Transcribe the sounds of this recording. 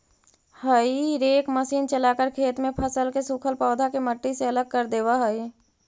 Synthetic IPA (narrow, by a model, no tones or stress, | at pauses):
həiɾeːkməsiːnt͡ʃəlaːkəɾkʰeːt̪mẽpʰəsəlkesukʰəlpɔːd̪ʱakeməʈːiseɐləɡ̚kəɾd̪eːwaɦəi